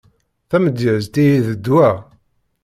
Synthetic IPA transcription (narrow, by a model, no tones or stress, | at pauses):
θæməd̪jəʕəzt̪ijiðəd̪ːwæ